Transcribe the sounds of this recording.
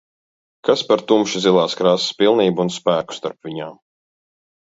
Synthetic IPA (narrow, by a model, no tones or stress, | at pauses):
kaspaɾt̪umʃizilˠaːskɾasspilˠniːbuːnspæːku̥st̪aɾpvʲiɲaːm